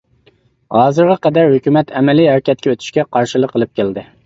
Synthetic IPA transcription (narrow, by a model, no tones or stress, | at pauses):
hɑːzɨɾʁɛqɛd̪æɾhøkʲymɛt̪ʰɛmɛliɦæɾkʲɛt̪̚kʲɛøt̪ʰy̥ʃkʲɛqʰɑɾʃilˠəqːəlˠɨp̚kʲeld̪ɪ